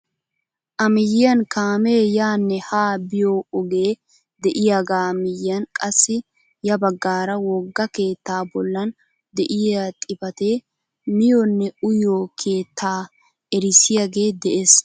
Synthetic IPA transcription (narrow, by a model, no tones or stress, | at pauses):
ʔɐmɪjɐnkaːmeːjaːnːɛhaːbɪjoɔɡe̞ː | d̪ɛʔɪjaɡaːmɪjɐnkʼɐsːɪ | jɐbɐɡːaːɾɐwɔɡːɐke̞ːt̪ːaːbɔlːɐn | d̪ɛʔɪjat̪ʼɪbɐt̪eː | mɪjonːɛʊjoːkʰe̞ːt̪ʰːaː | ɛɾɪsɪjɐɡe̞ːd̪ɛʔes